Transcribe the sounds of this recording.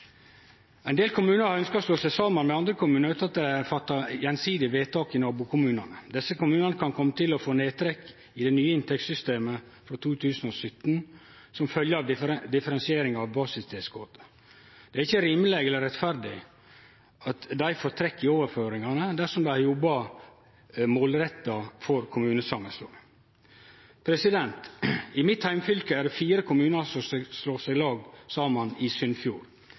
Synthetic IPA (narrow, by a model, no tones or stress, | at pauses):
ɛɪnd̪eːlkʰʊmʉːnəɾhɑɾœnskɑɾɔsloːsɛsɑːmɑnmɛɑnd̪ɾəkʊmʉːnəɾʉːt̪ɑt̪̚d̪ææfɑt̪ːɑjɛnsiːd̪ɪʋeːt̪ʰɑːkɪnɑːbuːkʰʊmʉːnɑnəd̪ɛsːəkʊmʉːnɑnəkʰɑnkʰɔmːət̪ʰɪlɔfoːneːt̪ʰɾɛkː | ɪd̪ɛnyːəɪnt̪ʰɛk̚t̪sʏst̪eːməfɾɔt̪ʰuːt̪ʰʉːsn̩ɔsʏt̪ːn | sɔmfœljəɑd̪ɪfəɾɛnsɪeːɾɪŋɑʋbɑːsɪst̪ʰɛːskoːt̪ə | d̪̥ɛæɾɪçːəɾɪmlɛɡɛlːəɾɛt̪fæɾd̪ɪ | ɑt̪d̪æɪfɔɾt̪ʰɾɛkːɪoːʋəɾføːɾɪŋɑnəd̪æʂɔmd̪æjɔbːɑ | moːlɾɛt̪ːɑfɔɾkʰʊmʉːnəsɑŋəslo̰ː | pʰɾɛsɪd̪ɛnt̪ɪmɪt̪hæɪmfʏlkəæɖɛfiːɾəkʰʊmʉːnəsɔssloːsæɪlɑːɡsɑːmɑnɪsʏnfjuːɾ